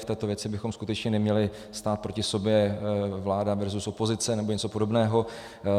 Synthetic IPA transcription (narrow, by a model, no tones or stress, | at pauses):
ft̪ɛːt̪o̞vjɛt͡sɪbɪxo̞mskut̪ɛt͡ʃɲɛnɛmɲɛlɪ | st̪aːt̪̚pɾocɪso̞bjɛvlaːdavɛɾzusopozɪt͡sɛnɛbo̞ɲɛt͡sopo̞do̞bnɛːɦo̞